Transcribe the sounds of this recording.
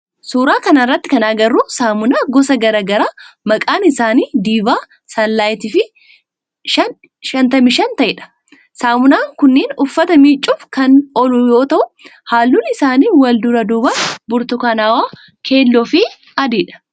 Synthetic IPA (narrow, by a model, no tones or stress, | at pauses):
suːɾaːkɐnɐrːɐt̪ːɪkɐnaːɡɐrːuːsaːmʊnaːɡɔsɐɡɐɾaːɡɐɾaːmɐkʼaːnɪsaːniːd̪iːbaː | sɐlːaːjt̪ɪfɪ | ɐ | ʃɐnt̪ɐmɪʃɐnt̪ɐʔɪᶑɐ̥ | saːmʊnaːŋkʊnːeːnʊfːɐt̪ɐmiːt͡ʃʼːʊfkɐnɔlʊjoːt̪ɐʔʊhaːlːuːnɪsaːniːwɐld̪ʊɾɐd̪uːbaːbʊɾt̪ʊkaːnaːwaː | kʰe̞ːlːɔfɪ | ɐd̪iːᶑɐ̥